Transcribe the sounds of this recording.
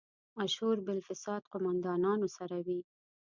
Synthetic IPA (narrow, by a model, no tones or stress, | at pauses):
aʃhuɾbɪlfɪsɑd̪qʊmand̪ɑnɑnosaɾawi